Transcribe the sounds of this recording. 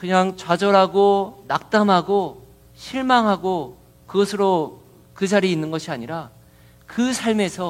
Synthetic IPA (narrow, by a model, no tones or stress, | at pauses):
kɯɲaŋt͡ɕwad͡ʑʌɾɦaɡonak̚t͈amɦaɡo | ɕʰiɭmaŋɦaɡo | kɯɡʌsʰɯɾo | kɯd͡ʑaɾiːnːɯnɡʌɕʰiaɲiɾa | kɯsʰaɭme̞sʰʌ